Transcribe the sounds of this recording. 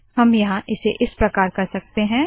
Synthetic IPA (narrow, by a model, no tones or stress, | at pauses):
hɐmjɐɦãʔɪseʔɪspɾɐkaːɾkɐɾsɐk̚t̪eɦɛ̃ː